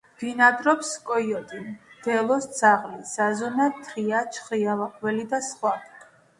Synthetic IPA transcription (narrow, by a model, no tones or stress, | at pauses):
d̪̥inad̪ɾɔpskʼɔiɔt̪ʼind̪̥ɛlˠɔsd̪z̥aʁlisazɔnat̪ʰɾiat͡ʃʰχialaqʼvɛlid̪asχwadi